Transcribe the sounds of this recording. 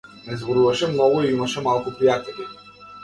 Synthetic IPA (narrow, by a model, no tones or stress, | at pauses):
nɛzbɔɾuvaʃɛmnɔɡuiimaʃɛmalˠkupɾijat̪ɛlʲi